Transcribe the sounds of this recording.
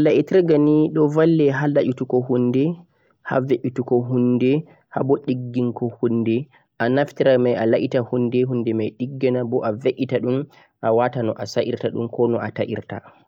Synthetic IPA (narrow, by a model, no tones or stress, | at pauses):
ʔalaʔitɛɾɡaniɗɔvalːɛɦalaʔutukɔhunːdɛ | ha̰veʔutukɔɦundɛ | ha̰bɔɗiɡːiŋkɔhunːdɛ | ʔanaftiɾamajalaʔitahunːdɛɦundɛmajɗiɡːɛnabɔʔaveʔitaɗum | ʔawatanɔʔasaʔiɾtaɗṵmkɔnɔʔataʔḭɾta̰